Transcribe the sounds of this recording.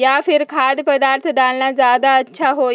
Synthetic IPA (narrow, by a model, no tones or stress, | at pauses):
jaːfʰɪɾkʰaːd̪pɐd̪aːɾt̪ʰɖaːlnazjaːd̪aɐtːʃʰaɦoː